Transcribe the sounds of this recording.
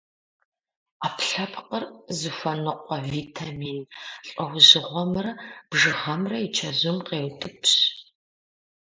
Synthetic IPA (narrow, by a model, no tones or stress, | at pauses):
aːpʰɬɐpʰqʼərzɨfɐnɨqʷɔviːtʰamiːnɬʼɐwzɨʁʷɔmɨrɐb̥ʐɨʁɐmrɐit͡ʃʰɐzɨmqeːwtʼɨpʰɕ